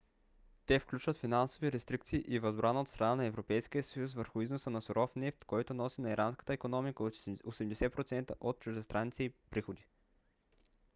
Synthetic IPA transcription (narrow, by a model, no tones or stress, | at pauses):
t̪ɛfklʲut͡ʃvət̪finansoviɾɛst̪ɾik̚t̪siːʔivɐzbɾanəot̪st̪ɾɐnanɐɛvɾopɛjsk̟ijəsəjus̬vəɾxʊiznosənɐsoɾʔɔfnɛft̪kɔjt̪onɔsinɐiɾʔanskə̥t̪əɛkonɔmikəoosɛmd̪ɛsɛpɾot̪sɛnt̪əʔot̪̚t͡ʃuʒd̪ɛst̪ɾʔanit̪sɛipɾixod̪i